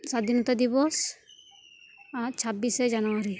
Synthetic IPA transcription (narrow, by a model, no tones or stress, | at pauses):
sad̪inɔt̪ad̪ibɔs | aɾt͡ʃʰabːised͡ʒanoaɾi